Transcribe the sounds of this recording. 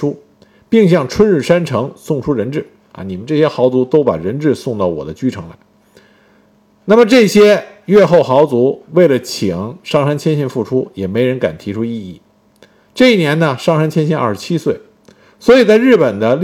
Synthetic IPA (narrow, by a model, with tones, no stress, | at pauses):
u˥ | pi˥˧ŋɕ̬jɑ˥˩ŋʈ͡ʂʰwə˥nɻ̩˥˩ʂa˥nʈ͡ʂʰɤ˧˥ŋsʊ˥˩ŋʈ͡ʂʰu˥ɻə˧˥nʈ͡ʂɻ̩˥˩ | ɐ̰˧˩ni˨˩mə˦nʈ͡ʂɤ˥˩ɕjɛ˥xɑ˧˥ʊt͡su˧˥t̪o˥ʊpa̰˨˩ɻə˧˥nʈ͡ʂɻ̩˥˧sʊ˥˧ŋt̪ɑ˥˩ʊwɔ̰˨˩d̪ə˦t͡ɕy˥ʈ͡ʂʰɤ˧˥ŋla̰˧˥ɪ | na˥˩mə˩ʈ͡ʂɤ˥˩ɕjɛ˥ɥɛ˥˧xo˥˩ʊxɑ˧˥ʊt͡su˧˥we˥˩ɪlə˩t͡ɕʰi˨˩˦ŋʂɑ˥˩ŋʂa˥nt͡ɕʰjɛ˥nɕi˥˧nfu˥˩ʈ͡ʂʰu˥jɛ˨˩me˧˥ɪɻə˧˥nka̰˨˩nt̪ʰi˧˥ʈ͡ʂʰu˥i˥˧i˥˩ | ʈ͡ʂɤ˥˧i˥˩njɛ˧˥nnə˧ʂɑ˥˩ŋʂa˥nt͡ɕʰjɛ˥nɕi˥˧nɐ̰˥˧˩ʂɻ̩˧t͡ɕʰi˥swe˥˩ɪ | swɔ˧˥i˨˩t͡sa˥˧ɪɻ̩˥˩pə˨˩nd̪ə˦l